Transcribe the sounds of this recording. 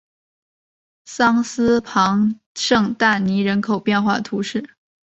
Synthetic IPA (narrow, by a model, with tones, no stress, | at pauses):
sɑ˥ŋsɹ̩˥pʰɑ˧˥ŋ | ʂɤ˥˧ŋt̪a˥˩ni˧˥ɻə˧˥nkʰo˨˩ʊpjɛ˥˧nxwa̰˥˩t̪ʰu˧˥ʂɻ̩˥˩